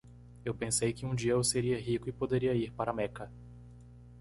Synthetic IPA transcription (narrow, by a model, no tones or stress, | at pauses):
ewpẽsejkɪũd͡ʒiɐewseɾiɐɦikʊɪpod̪eɾiɐiɾpaɾɐmɛkɐ